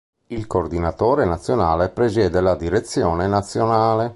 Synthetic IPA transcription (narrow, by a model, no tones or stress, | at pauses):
ilkord̪inat̪oːɾenat̪sːjonaːlepɾezjɛːd̪elad̪iɾet̪sːjɔːnenat̪sːjonaːle